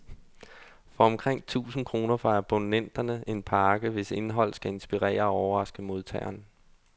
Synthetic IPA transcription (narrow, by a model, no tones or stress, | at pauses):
fɒ̽ɒ̽mkʰʁeŋ̰t͡sʰṵːsn̩kʰʁo̝ːnɐfʁɑ̈æb̥o̝nen̰d̥ɐnəe̝npʰɑ̈ːɡ̥əʋe̝se̝nɦɒ̽l̰sɡ̥æe̝nsb̥iʁɛ̰ːɐɒɒʊɐʁɑ̈sɡ̥əmo̝ðˠt͡sʰɛ̰ɪ̰ɐn